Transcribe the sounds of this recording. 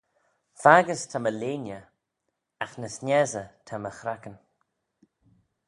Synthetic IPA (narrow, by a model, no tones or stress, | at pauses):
faɡəstʰaməleːnə | axnəsnɛzətʰaməxɾakən